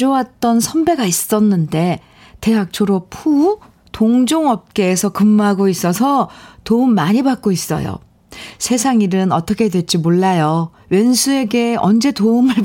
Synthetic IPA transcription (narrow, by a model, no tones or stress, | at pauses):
d͡ʑowat̚t͈ʌnsʰʌnbe̞ɡais͈ʌnːɯnde̞ | te̞ɦak̚t͡ɕʰoɾopʰu | toŋd͡ʑoŋʌp̚k͈e̞ːsʰʌkɯmːɦaɡois͈ʌsʰʌtoumːaɲibak͈̚ois͈ʌ̰jo̰ | sʰe̞sʰaŋiɾɯnʌt͈ʌkʰe̞dwe̞t͡ɕ͈imoɭːajo | we̞nsʰue̞ɡe̞ʌnd͡ʑe̞toumɯɭ